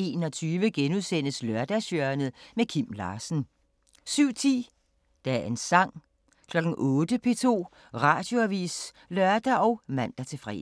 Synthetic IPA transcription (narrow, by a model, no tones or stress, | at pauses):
e̝̰ːnɒ̽t͡sʰyːʋəɡ̥enuðˠsen̰əslœɐd̥æsøɐɐnəð̩ˠmekʰim̰lɑ̈ːsn̩ | syʊ̰t͡sʰḭː | d̥ææɐe̝nsɑ̈ŋ̰ | kʰlɒ̽ɡ̥n̩ʔɔ̽ːd̥əpʰe̝t͡sʰo̝̰ː | ʁɑ̰̈ːd̥jo̝æʋḭːs | lɶɐd̥æʔɒ̽ʊmæn̰d̥ɐt͡sʰe̝fʁɛ̰